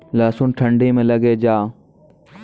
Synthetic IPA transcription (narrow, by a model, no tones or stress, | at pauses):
laːsuːnʈʰəɳɖiːmẽləɡeːd͡ʒaː